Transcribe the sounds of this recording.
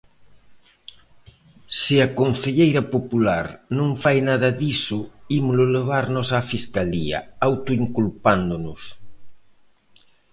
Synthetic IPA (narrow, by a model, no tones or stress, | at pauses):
sɪɐkonθeʎejɾɐpopulaɾnõŋfajnaðɐðisʊimʊlʊleβ̞aɾnosafiskaliɐ̰awt̪ʊiŋkulpand̪ʊnʊs